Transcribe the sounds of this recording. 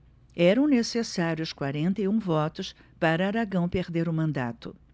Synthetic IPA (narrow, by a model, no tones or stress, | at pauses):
ɛɾɐ̃w̃nesesaɾjʊskwaɾẽnt̪ejũvɔt̪ʊs | paɾɐaɾaɡɐ̃w̃peɾd̪eɾʊmɐ̃nd̪a̰t̪ʊ